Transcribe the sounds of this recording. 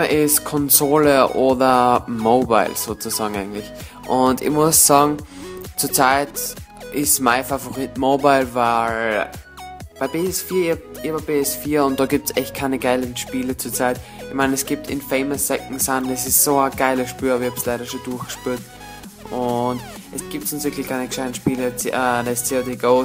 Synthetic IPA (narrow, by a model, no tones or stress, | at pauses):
ɐʔɪskʰɔnzoːləʔoːdɐmoːba̰ɪlsoːt͡suzɑːɡŋ̩ʔa̰ɪɡəŋ̩tlɪç | ʔʊndɪ̰çmʊssɑːɡŋ̩t͡suːɐt͡saɪtʔɪsmaɪfavoʁiːtmoːbaɪlvaɪl | b̥aɪbeːɛsfiːɐɪhɑpɪhɑbɐb̥eːɛsfiːɐʊnt̚d̥ɑːɡiːp̚tsɛçt̚kʰaɪnəɡ̥aɪlənʃpiːlət͡suːɐt͡saɪtɪçmaɪnɛsɡ̥iːp̚tʰɪ̰nfeɪməsːɛkŋ̩sandɛsɪssoəɡ̥aɪləʃpyːɐːbɐɪçhɑpslaɪɾɐʃoduɐxɡ̥ə̥ʃpyːɐt | ʔʊnt | ʔɛsɡ̥iːp̚tsʊnsv̥ɪɐklɪçkʰaɪnəklaɪn̩ʃpiːlət͡sʔədɪst͡siodeɡoʊ